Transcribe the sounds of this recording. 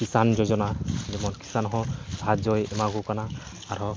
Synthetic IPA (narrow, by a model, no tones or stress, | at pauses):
kisand͡ʒɔd͡ʒɔnazɛmɔnki̥sanɦɔdʱad͡ʒɔjɛmaɡukanaː | ɾɔ